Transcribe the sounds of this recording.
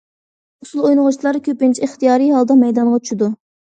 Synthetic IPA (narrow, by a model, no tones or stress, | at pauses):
usulˠojnʊʁʊt͡ʃʰlˠɑɾkʲʰøpɪnt͡ʃʰiɨχt̪ijɑːɾijɦɑlˠd̪ɑmɛjd̪ɑnʁɑt͡ʃʰy̥ʃid̪u